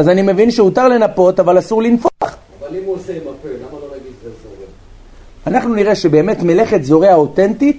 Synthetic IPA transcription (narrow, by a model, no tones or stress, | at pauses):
azanime̞vinʃeut̪aʁle̞napo̞t̪avalasuʁlinfoaχ | valimuosemaplonaɡiezoe | anaχnuniʁe̞ʃe̞be̞ːme̞t̪mele̞χe̞t̪zo̞ʁeao̞te̞ntit̪